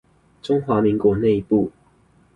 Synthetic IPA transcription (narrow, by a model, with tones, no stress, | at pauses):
ʈ͡ʂʊ˦ŋxwa˨˧˥mi˨˦ŋkwɔ˨˧˦ne˥˧ɪi˧pu˥˨